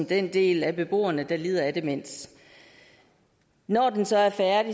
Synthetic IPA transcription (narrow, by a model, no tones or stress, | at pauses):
md̥end̥e̝̰ːlæb̥e̝b̥o̝̰ːɐnəd̥ɑ̈lḭːðˠɐæd̥emen̰s | nɒːd̥ensɒ̽æɐfæɐdi